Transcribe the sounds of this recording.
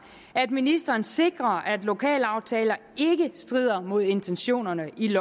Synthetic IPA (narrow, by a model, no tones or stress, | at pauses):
æd̥minisd̥ɐːn̩se̝ɡ̥ʁɐæd̥lo̝kʰɛ̰ːlɑ̈ʊt͡sʰɛːlɐ | e̝ɡ̥əsd̥ʁið̞̰ˠɐmo̝ð̞̰ˠe̝nt͡sʰenɕo̝̰ːnɐnəʔilɒ